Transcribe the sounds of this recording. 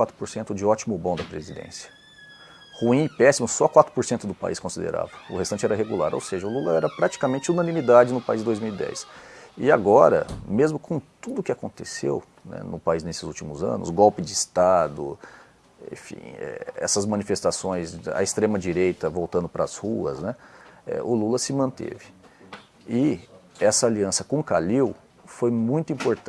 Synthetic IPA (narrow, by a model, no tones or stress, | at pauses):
at̪ɾʊpoɾsẽnt̪ʊd͡ʒɪɔt͡ʃimʊbõd̪ɐpɾezid̪ḛ̃sjɐ̥ | huĩpɛsimʊsɔakwat̪ɾʊ̥poɾsẽnt̪ʊd̪ʊpa̰iskõsid̪ḛɾa̰vɐʊhest̪ɐ̃nt͡ʃɪɛɾɐɦeɡulaɾo̰wseʒɐʊlulɐɛɾɐpɾat͡ʃi̥kamẽnt͡ʃɪunɐ̃nĩmid̪ad͡ʒɪnʊpaizd̪ojzmiwid̪ɛ̰sɪaɡɔɾɐ̰mezmʊkõtt̪ud̪ʊkɪakõnt̪esḛw | nɛ̰nʊpaiznesɪzut͡ʃimʊzɐ̰̃nʊ̰sɡɔwpɪd͡ʒɪɪst̪ad̪ʊ̰ | ḛ̃fḭ̃ɛ̰ɛ̰sɐzmɐ̃nifest̪asõj̃za̰ɪst̪ɾẽmɐd͡ʒiɾejt̪ɐvowt̪ɐ̃nd̪ʊpɾɐzhuɐ̰znɛɛ̰ʔʊlulɐsɪmɐ̃nt̪ḛvɪ | ɪɛsɐaliɐ̃sɐkõkaliw | fojmũj̃t̪ʊĩpoɾt̪